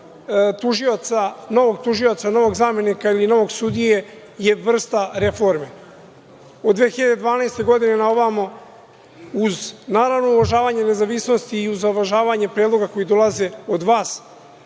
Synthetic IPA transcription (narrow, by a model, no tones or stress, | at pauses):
t̪uʒiot̪sano̞ʋoɡ̚t̪uʒio̞t̪sano̞ʋo̞ɡzaːme̞nikailino̞ʋo̞ɡsud̪ije | je̞ʋr̩st̪aɾe̞fo̞ɾme | od̪ʋeçiʎad̪e̞d̪ʋaːnaest̪e̞ɡo̞d̪ine̞naoʋamo | uznaːɾavnouvaʒaːʋaːɲene̞zaʋisno̞st̪iːuzaʋaʒaːʋaːɲepɾeːd̪lˠo̞ɡako̞jid̪o̞lˠaze̞od̪ʋaːs